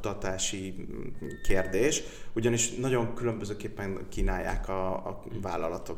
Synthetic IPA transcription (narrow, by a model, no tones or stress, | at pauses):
t̪ɒt̪aːʃi | keːrd̪eːʃ | uɟɒniʃnɒɟo̞ŋkylø̞mbøzøːkeːpːɛŋkiːnaːjːa̰ːkɒːvaːlɒlɒt̪o